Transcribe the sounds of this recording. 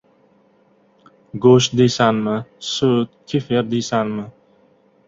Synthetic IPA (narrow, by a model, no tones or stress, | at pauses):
ɡoʃ̚d̪esanmɪsut̪̚kʰʲifeɾd̪isanmɪ